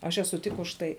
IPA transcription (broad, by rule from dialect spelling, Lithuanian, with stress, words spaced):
ɐʃ ɛˈsʊ tʲɪk ʊʃ ˈtɐɪ